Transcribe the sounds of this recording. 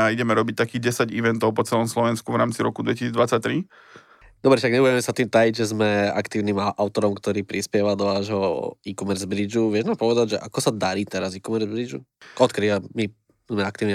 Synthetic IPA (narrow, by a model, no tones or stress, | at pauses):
aiɟɛmɛɾɔbic̚t̪akiːɣɟɛsaɟiʋɛnt̪ɔʊpɔt͡sɛlɔmslɔʋɛnskuvɾaːmt͡siɾɔkud̪ʋɛcisiːd͡zd̪ʋat͡sac̚t̪ɾi | d̪ɔbɾɛʃaɡɲɛbuɛmɛsat̪iːmt̪ajiɟʒɛzmɛa̰kt̪iːʊniːmaʔaʊt̪ɔɾɔmkt̪ɔɾiːpɾispɪɛʋad̪ɔʋaːʒɦɔikɔmɛɾzbɾid͡ʒuʋɪɛʒnaːmpɔʋɛd̪aɟʒɛʔa̰kɔsad̪aɾiːt̪ɛɾazikɔmɛɾzbɾid͡ʒṵɔt̪̚kɾiːʋami | zmɛakt̪iːʊni